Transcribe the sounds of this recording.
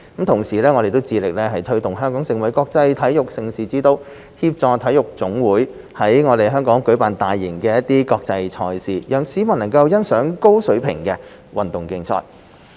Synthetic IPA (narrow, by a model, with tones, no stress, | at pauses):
kɐ˨˥mt̪ʰʊ˨˩ŋsiː˨˩lɛː˥ŋɔː˨˧e˨jt̪o˥wt͡siː˧lɪ˨k̚lɛː˥ɦɐ˨jt̪ʰɵ˥ɥt̪ʊ˨ŋɦœː˥ŋkɔː˨˥ŋsɪ˨ŋwɐ˨˥jkɔː˧k̚t͡sɐ˧jt̪ʰɐ˨˥jʊ˨k̚sɪ˨˩ŋsiː˨˩t͡siː˧˥t̪o˧w | hiː˧p̚t͡sɔː˨˧t̪ʰɐ˨˥jʊ˨˩k̚t͡sʊ˨˥ŋwuː˨˥j | hɐ˨˥jŋɔː˨˧d̪e˨jɦœː˥ŋkɔː˨˥ŋkɵ˨˥paː˨˩nt̪aː˨jːɪ˨˩ŋkɛː˧jɐ˥t̪̚iː˥kɔː˧k̚t͡sɐ˧jt͡sʰɔː˧jsiː˨jœː˨ŋsiː˨˥mɐ˨˩nɐ˨˩ŋkɐ˧wjɐ˥nsœː˨˥ŋko˥wsɵ˨˥ɥpʰɪ̰˨˩ŋkɛː˧ | wɐ˨˩nt̪ʊ˨˩ŋkɪ˧ŋt͡sʰɔ̰ː˧˥t